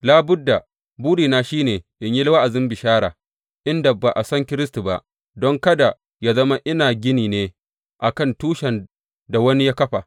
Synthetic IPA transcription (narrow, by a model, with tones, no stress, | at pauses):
laː˦bʊ˦dːa˨ | buː˦diː˨naː˦ʃiː˦neː˨ʔɪ˨ɲji˦lwa˦ʔa˨zɪ˦mbɪ˨ʃaː˦ɽa̰ː˨ | ʔɪ˦nda˨ba˨ʔa˨sɐ˦ŋkʲɪ˦ɾɪ˦stu˨ba˦ʔ | dɔ˦ŋkɐ˦da˨ | jaː˦zɐ˦ma˦ʔɪ˦naː˨ɡʲɪ˦niː˨neː˦ | ʔa˨kɐ˦˨ntuː˦ʃɛ˨n | da˨wɐ˦ni˦jaː˦kɐ˦ɸa˨